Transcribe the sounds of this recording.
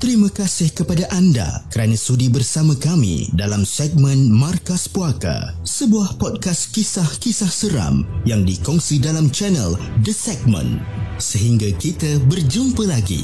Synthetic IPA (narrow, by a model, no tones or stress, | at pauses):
t̪əɾimãkasɪhkəpadaʔanda̰kəɾanãsudibərsamãkamḭdalamsɛɡ̚mə̃nmãrkaspuaka̰səbuahpɔd̚kaskisahkisahsəɾa̰mjaŋdikɔŋsidalamt͡ʃɛnə̰ldəsɛɡ̚mə̰̃nsəɦiŋɡakit̪abərd͡ʒumpəlaɡḭ